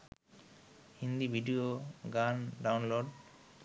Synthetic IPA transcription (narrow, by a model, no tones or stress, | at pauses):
hind̪ibʱiɖioɡanɖawnloɖ